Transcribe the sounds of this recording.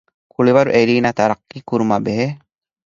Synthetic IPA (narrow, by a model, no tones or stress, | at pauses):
kuɭiʋɐɾuʔeɾiːnaːt̪ɐɾɐqːiːkuɾumabeɦe